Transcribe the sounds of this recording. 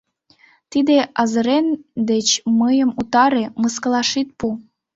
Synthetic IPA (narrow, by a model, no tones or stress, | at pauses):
t̪id̪eɑzə̆ɾend̪et͡ɕməjəmut̪ɑɾeməskə̆lɑʃit̪̚pu